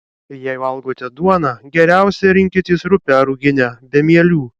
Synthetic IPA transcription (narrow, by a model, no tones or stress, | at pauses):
jɛɪʋɐlˠɡoːt̪ʲɛd̪uɔnɑɡʲɛɾʲæˑʊsʲɛɾʲɪŋʲkʲɪt̪ʲiːsɾʊpʲɛɾʊɡʲɪnʲɛbʲɛmʲiɛlʲuː